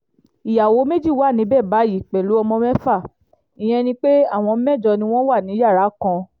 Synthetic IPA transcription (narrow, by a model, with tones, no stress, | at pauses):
i˨ja˨wo˨˦me˦d͡ʒi˦˨wa˦˨nĩ˨˦bɛ˦˨ba˨˦ji˦˨k͡pɛ˨lu˨˦ɔ˧mɔ̃˧mɛ̃˦fa˦˨ | i˨j̃ɛ̃˧nĩ˧k͡pe˦a˦˨w̃ɔ̃˧˦mɛ˦˨d͡ʒɔ˧nĩ˧w̃ɔ̃˦wa˦˨nĩ˨˦ja˦˨ɾa˨˦kɔ̃˧